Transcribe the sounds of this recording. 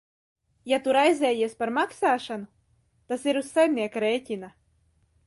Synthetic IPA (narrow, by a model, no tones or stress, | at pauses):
jat̪uɾajzɛːjiɛspaɾmaksaːʃanu | t̪asiɾussajmniɛkɾeːcʲina